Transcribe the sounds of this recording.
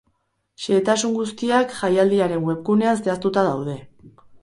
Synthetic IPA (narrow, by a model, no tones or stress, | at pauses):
ʃeːt̪asuŋɡust̪iakʝajald̪iaɾe̞ŋwe̞pkune̞ast̪e̞ast̪ut̪að̞awð̞e̞